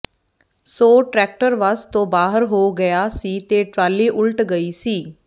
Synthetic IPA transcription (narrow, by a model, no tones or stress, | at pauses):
soːʈɾɛːk̚ʈəɾʋəst̪õːbaːɦəɾɦoːɡəjaːsiːt̪eːʈɾaːlːiːʔʊlʈɡəiːsiː